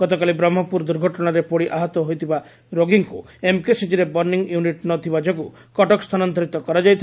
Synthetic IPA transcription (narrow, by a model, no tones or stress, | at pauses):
ɡ̥ɔt̪ɔkalibɾɔmːɔpuɾd̪uɾɡʱɔʈɔɽ̃aɾepoɽiʔaɦɔt̪ɔɦojt̪ʰiba | ɾoɡiŋkṵ | emkesid͡ʒiɾebɔɾniŋjuniʈnɔt̪ʰibad͡ʒɔku | kɔʈɔkst̪ʰanɔnt̪ɔɾit̪ɔkɔɾad͡ʒajt̪ʰ